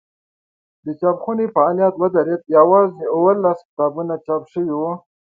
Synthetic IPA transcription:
d̪ət͡ʃɑpxunefaːlijat̪wəd̪aɾet̪̚jawɑzeʊwəlːaskt̪ɑbunat͡ʃɑpʂəwiwo

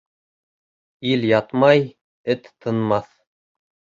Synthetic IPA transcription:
iljɑt̪mɑj | ɘt̪ʰːɤ̆nmɑθ

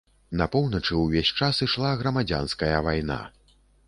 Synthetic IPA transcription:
nɐpɔwnɐt͡ʂɨwvʲesʲt͡ʂasiʂlˠaɣɾɐmad͡zʲa̰nskɐjɐvajna̰

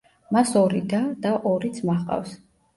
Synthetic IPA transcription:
masɔɾid̪ad̪aʔɔɾit̪sʰmaχqʼa̰fs

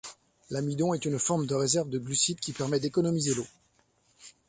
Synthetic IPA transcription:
lamid̪ɔ̃ɛt̪ynfɔʁmd̪əʁezɛʁvd̪əɡlysid̪kʲipɛʁmɛd̪ekɔnɔmizelo

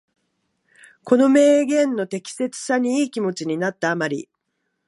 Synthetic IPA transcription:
ko̞no̞me̞ːɡẽ̞nːo̞t̪e̞kʲi̥se̞t͡sɨ̥saɲ̟iiːkʲimo̞t͡ɕiɲ̟inat̪ːaːmaɾʲḭ

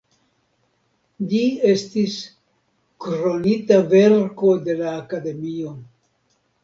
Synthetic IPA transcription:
d͡ʒie̞stis | kɾo̞nitave̞ɾko̞de̞laːkade̞mio̞

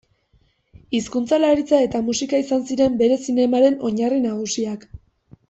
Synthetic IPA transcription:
iskunt͡salaɾit͡sae̞t̪amusikaisansiɾe̞mbe̞ɾe̞sine̞maɾe̞no̞ɲarinaɣusiak

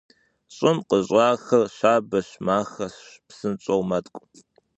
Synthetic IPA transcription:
ɕʼɪmqəʑʷʼaːxɐrʃaːbɐɕmaːxɐɕpsɨnt͡ʃʼɐwmɐtʼkʷʼʊ

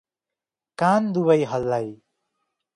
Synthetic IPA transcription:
kand̪uβʌjɦʌlːaj

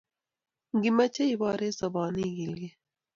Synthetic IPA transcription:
ɡimɐt͡ʃeibɑːɾesɐbɑːniɡilɡi

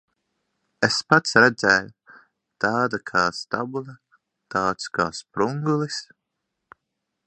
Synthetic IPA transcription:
espat̪sɾɛd̪zɛːju | t̪aːd̪akʰaːst̪a̰bulˠɐ | t̪aːt̪ska̰ːspɾuŋɡulˠis

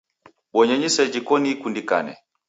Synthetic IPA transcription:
ɓɔɲɛɲisɛd͡ʒikɔnikundika̰nɛ̰

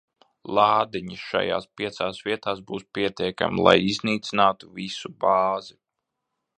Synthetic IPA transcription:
lˠɑːd̪iɲiʃa̰ja̰ːspʲiɛt̪saːsvʲiɛt̪aːsbuːspʲiɛt̪ʲiɛka̰milˠa̰jizniːt̪sinaːt̪uvisubɑːzi

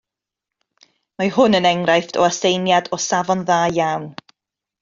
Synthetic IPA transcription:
maɦʊnənɛŋrajftʰɔ̰asejnjadɔsavɔnðaːjawn

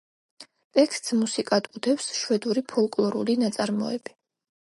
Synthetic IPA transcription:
t̪ʼɛkʰst̪ʼsmusikʼad̪ʼud̪ɛfsʃwɛd̪uɾipʰɔlˠkʼlˠɔɾṵlinat̪sʼaɾmɔ̰ɛ̰b̥i̥

